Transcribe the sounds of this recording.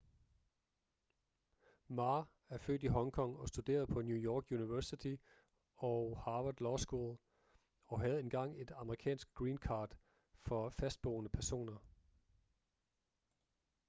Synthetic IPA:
mɑ̈ː | æɐfø̰ːd̥iɦɒ̽ŋkʰɒ̽ŋ̰ɒ̽sd̥ud̥e̝̰ːɐð̞ˠpʰɒ̽njujɒːɡ̥juniʋæɐsit͡sʰi | ɒʊhɑ̈ʋɐd̥lɒːsɡ̥ulˠ | ɒ̽ɦæð̩ˠe̝nɡ̥ɑ̈ŋ̰e̝d̥ɑ̈məʁikʰɛ̰ːnsɡ̥ɡ̥ʁiːnkʰɑ̈ːd̥ | fɒ̽fæsd̥̚b̥ɔːnəpʰæɐso̝̰ːnɐ

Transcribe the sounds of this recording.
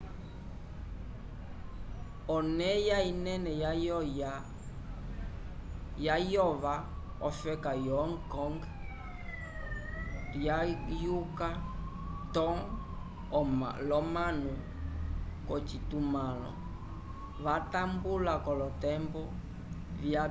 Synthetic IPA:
ɔnɛjainɛnɛj | jajɔva | ɔfɛkajɔŋkɔŋɡ | ajuka | tɔŋ | lɔmanu | kɔt͡ʃitumalɔ̰ | vatambulakɔlɔtɛmbɔ | vja

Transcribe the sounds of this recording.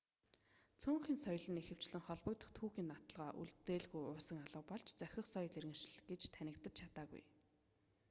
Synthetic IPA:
t͡sʰuːŋxiːnsɔjɮə̆nexɘ̆w̥t͡ɕɮɘ̆ŋχɔɮpɞ̆k̚t̪ə̆χt̪ʰuːxiːnːat̪ə̆ɮʁaːʔṵɮt̪eːɮɣujʊːsə̆ŋaɮə̆ːpɔɮt͡ɕt͡sœxʲɪ̆χsœjt̪eɾɣɘ̆ŋʃɪ̆ɮɡ̥et͡ɕt̪ʰænʲɪ̆k̚t̪ə̆t͡ɕt͡ɕʰat̪aːɣṵj

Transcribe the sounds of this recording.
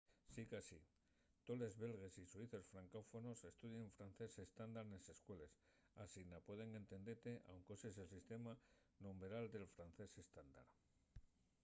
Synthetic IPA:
sikasi | t̪o̞le̞zβe̞lɣ̞e̞sisuiθe̞sfɾaŋko̞fo̞no̞se̞st̪uðjeɱfɾanθe̞se̞st̪and̪aɾnese̞skwe̞le̞s | asinapwe̞ðe̞ŋent̪e̞nd̪e̞ɾt̪e̞ʔawŋko̞ses̬elsist̪e̞ma | nombe̞ɾald̪e̞lfɾan̟θe̞se̞st̪and̪a̰ɾ

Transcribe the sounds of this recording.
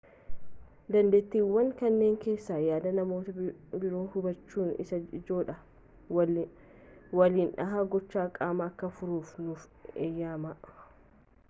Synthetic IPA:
d̪ɐnd̪eːt̪ːiːwːɐŋkɐnːe̞ːŋke̞ːsːaːjaːd̪ɐnɐmo̞ːt̪ɐbɪɾoːnhʊbɐt͡ʃːuːnɪ̰sɐɪd͡ʒo̞ːᶑɐ | wɐliːnᶑɐɦaːɡɔt͡ʃːaːkʼaːmɐːkːɐfʊɾuːfnʊfejːaːmɐʔ

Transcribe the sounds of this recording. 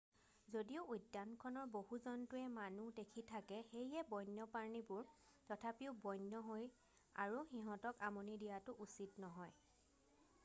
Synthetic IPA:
zodiʊːjdːankʰɔnɔɹbohuzɔntʊɛmanudekʰitʰakɛxejɛbɔjnjɔpaɹnibʊɹ | tɔtʰapiʊbɔjnːɔɦoj | a̰ɹuxiɦɔ̃tɔkamonidijatʊʔusitnɔɦɔj

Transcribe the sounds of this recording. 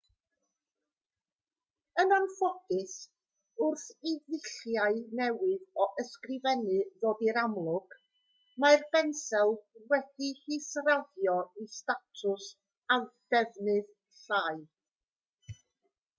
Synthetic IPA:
ənanfɔɡɨs | ʊrθiðɪɬjaɨnɛwɨðɔʔəskrɪvɛnɨðodiɾamlˠʊɡ̥ | marbɛnsɛlˠwɛd̥ihisraðjɔistatʰʊs | adɛvnɨð | ɬaːɨ

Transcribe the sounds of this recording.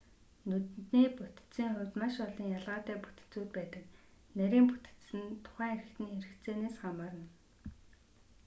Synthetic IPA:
nɵt̪niːput̪̆t͡siːŋχʊwt̪maʃɔɮiːŋjaɮʁaːt̪æːpu̥t̪ɘ̥̆t͡suːt̪̚pæːt̪ə̆k | næɾʲiːmput̪ɘ̥̆t̪sɘ̆nt̪ʰʊ̥χæːŋeɾɘ̆xt̪niːeɾɘ̆kt͡seːneːsχamaːrnə̆w

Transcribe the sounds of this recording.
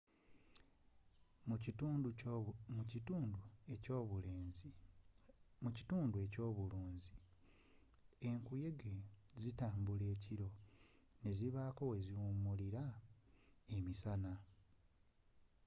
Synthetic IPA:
muiuːnueoːβule | muci̥tuːndue̞co̞ːβuluːnzi | eŋkuje̞ɡezitaːmbule̞ːciɾo̞ | ne̞ziβaːko̞we̞ziwumːuliɾa | emisana

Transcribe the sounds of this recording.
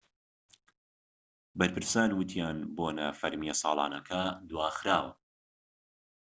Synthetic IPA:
bɐɾpɨɾsaːnwɨt̪ʰijaːnboːnɐ̰fɐɾmijɐsˤɑ̰ːlˠɑ̰ːnɐkʰɐd̪waːxɾaːwɐ

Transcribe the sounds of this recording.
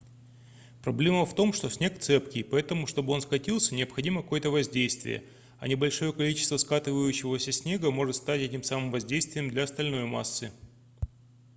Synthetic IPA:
pɾɐblʲe̞məft̪o̞mʂt̪o̞sʲnʲe̞kt̪sɛpkʲɪpɐɛt̪əmʊʂt̪o̞bɨo̞nskɐtʲilˠsʲənʲɪɐpxɐdʲiməkɐkojət̪əvɐzʲdʲejst̪vʲɪ̰jə̰ | ɐ̰nʲɪbɐlʲʂo̞jəkɐlʲit͡ɕɪ̥st̪vəskat̪ɨvəjʉɕːɪvəsʲəsʲnʲe̞ɡəmo̞ʐɨt̪st̪atʲɛtʲɪmsamɨmvɐzʲdʲejst̪vʲɪjɪmd̪lʲɐɐst̪ɐlʲno̞jma̰sːɨ

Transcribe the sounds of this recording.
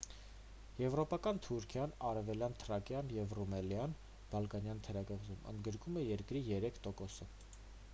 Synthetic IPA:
jɛvɾɔpɑkɑnt̪ʰuɾkʰjɑnɑɾɛvɛljɑnt̪ʰəɾɑkjɑnjɛvrumɛljɑn | b̥ɑlkɑnjɑnt̪ʰəɾɑkəvzumə̰nd̪ɡəɾkumɛjɛɾkɾijɛɾɛkʰt̪ɔkɔsə

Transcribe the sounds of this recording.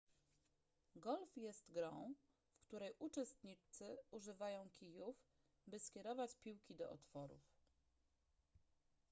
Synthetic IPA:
ɡɔlfjɛst̪ɡɾɔ̃w̃ | fkt̪uɾɛjʔut͡ʂɛst̪ɲit͡ʂt̪sɘuʐɘvajɔ̃w̃kʲijuf | bɘskʲɛɾɔvat͡ɕpʲiwkʲid̪ɔ̰ʔɔt̪fɔɾṵf

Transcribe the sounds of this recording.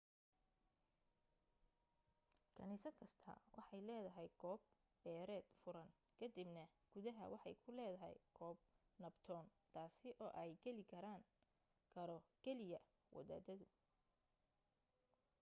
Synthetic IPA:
kʰɐniːsɐd̪kʰɐst̪ʰɐ̰wʔɑ̰ħɑjlɛːðɐɦɛjɡɔːb̚ | bɛːɾɛːd̪̥fʊɾɐn | kʰɐd̪ibnɐɡ̥ʊðɐɦɐ̰wɑħɑ̰jkʰʊlɛːðɐɦɛ̰jɡ̥ɔːb̚nɐbt̪ʰɔːnt̪ʰaːsɪʔɔːʔɛjɡɛlɪkʰɐɾaːŋ | kʰɐɾɔɡ̥ɛlɪjɐ | wʔɐ̰ða̰ːd̪ɐðʊ

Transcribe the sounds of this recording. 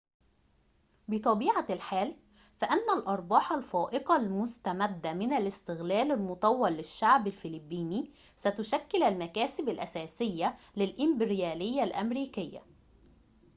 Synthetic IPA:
bɪt̪ˤɑbiːʕalħaːl | fæʔænːælʔɑɾˤbɑːħɑlfæːʔɪqɑlmʊst̪æmæd̪ːæmɪnælɪst̪ɪɣlæːlalmʊt̪ˤɑwːɑlːɪʃːaʕbalfɪlɪbːiːni | sæt̪ʊʃækːɪlælmækæːsɪbælʔæsæːsɪjːæ | lɪlʔɪmbɪɾjæːlɪjːælʔæmɾiːkɪjːa̰

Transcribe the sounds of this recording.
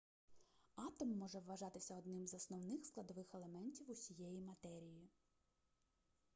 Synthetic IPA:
ɑt̪ɔmːɔʒɛʋːɐʒɑt̪ɪsʲɐɔd̪nɪmzɐsnɔwnɪxsklˠɐd̪ɔʋɪxelˠe̞mɛnʲtʲiwusʲijɛjimɐt̪ɛɾʲiji

